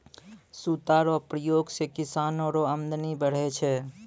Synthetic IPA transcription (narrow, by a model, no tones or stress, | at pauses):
sut̪aːɾɔpɾəjoːɡsekɪsaːnoːɾoəmd̪nibəɽ̤et͡ʃʰɛ